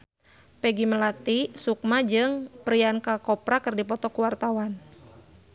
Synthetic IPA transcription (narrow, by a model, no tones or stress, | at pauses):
pɛɡiməlat̪isuk̚mad͡ʒɨŋpəɾiankakɔpɾakərdipɔt̪ɔkuwart̪awan